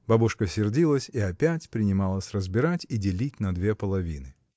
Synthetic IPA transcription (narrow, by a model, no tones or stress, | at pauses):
b̥abʊʂkəsʲɪrdʲilˠəsʲiɐpʲætʲpɾʲɪnʲɪmɑlˠəsʲrəzbʲɪɾatʲidʲɪlʲitʲnɐd̪vʲepəlˠɐvʲinɨ